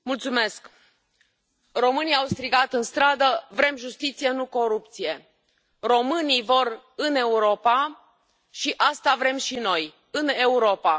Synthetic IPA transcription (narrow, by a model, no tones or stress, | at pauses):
mult̪sume̞sk | ro̞mɨnijawst̪ɾiɡat̪ɨnst̪ɾad̪əvɾe̞mʒust̪it̪sije̞nuko̞ɾup̚t̪sije̞ | ro̞mɨnijvo̞r | ɨne̞uɾo̞pa | ʃiʔast̪avɾe̞mʃino̞j | ɨne̞uɾo̞pa